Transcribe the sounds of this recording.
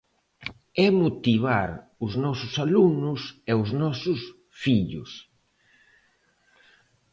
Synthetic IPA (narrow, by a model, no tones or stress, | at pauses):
ɛmot̪iβ̞aɾʊznɔsʊsalunʊsɛʊznɔsʊs | fiʎʊ̰s